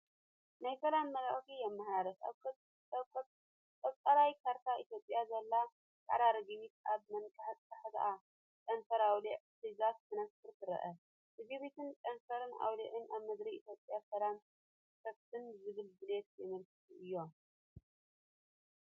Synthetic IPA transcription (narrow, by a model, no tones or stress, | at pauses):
najsɐlamːɐlaʔxijɛmːaħɾaɾɐt | kɐβt̪ʼɐɾajkʰaɾt̪ʰaʔit̪jo̞pʼːjazɐlːa | t̪ʰa̰ɾaɾɡiβit̪ʔaβmɐnkʼɐħat̪ʼt̪ʰːɐħd̪ɐ̰ʔa | kʼɐnfɐɾawliʕsiɡat̪tʰɨnɐstʰɨɾt̪ʰɨɾɐ̰ʔɐ | ʔɨziβit̪ʰɨnkʼɐnfɐɾɨna̰wliʕɨnʔaβmɨd̪ɾiit̪jo̞pʼjasɐlam | sʰɐft̪ʰɨnzɨɡɨlbɨlet̪̚ɛmɐlkʰɨ̥t̪ʰiʔɨjːo̞